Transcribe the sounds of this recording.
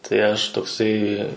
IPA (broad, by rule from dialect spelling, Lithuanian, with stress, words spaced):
tɐɪ ˈɐʃ toːˈksɐɪ